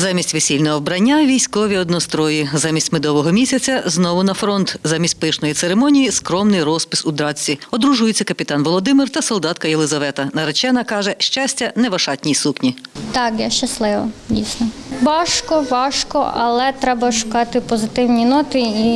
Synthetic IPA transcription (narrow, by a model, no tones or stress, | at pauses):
zɑmʲisʲtʲʋesʲilʲnɔɦɔwbɾɐnʲːaʋʲijsʲkɔʋʲiɔd̪nɔst̪ɾɔjizɑmʲisʲtʲmed̪ɔʋɔɦɔmʲisʲɐt͡sʲɐznɔʋʊnɐfɾɔnt̪zɑmʲisʲtʲpɪʃnɔjit̪seɾemɔnʲijiskɾɔmnɪjɾɔspɪ̥sud̪ɾɑt͡sʲːiɔd̪ɾuʒujet͡sʲːɐkɐpʲit̪ɑnʋɔlˠɔd̪ɪmɪrt̪ɐsɔlˠd̪ɑt̪̚kɐjelˠɪzɐʋɛt̪ɐnɐɾet͡ʃɛnɐkɑʒɛʃt͡ʃɑsʲtʲɐnɛʋɐʃɑtʲnʲijsuknʲit̪ɑkjaʃt͡ʃɐslˠɪʋɐ̰dʲijsʲnɔʋɑʃkɔʋɑʃkɔɐlˠɛt̪ɾɛbɐʃʊ̥kɑt̪ɪpɔzɪt̪ɪwnʲinɔt̪ɪi